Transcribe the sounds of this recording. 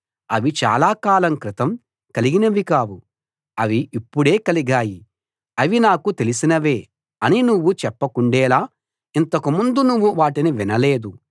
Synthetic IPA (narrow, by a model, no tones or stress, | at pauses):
ɐʋit͡ʃa̰ːlaːkaːlɐmkɾit̪ɐm | kɐliɡinɐʋikaːwu | ɐʋiːpːuɽe̞ːkɐliɡaːji | ɐʋinaːkut̪e̞lisinɐʋe̞ː | ɐninuʋːut͡ʃɛpːɐkuɳɖɛːlaː | int̪ɐkumund̪unuʋːuʋaːʈiniʋinɐle̞ːd̪u